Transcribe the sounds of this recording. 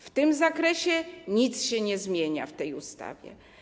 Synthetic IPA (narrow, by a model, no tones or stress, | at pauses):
ft̪ɘmzakɾɛɕɛɲit̪sɕɛɲɛzmʲjeɲa̰ft̪ɛjust̪a̰vʲjɛ̰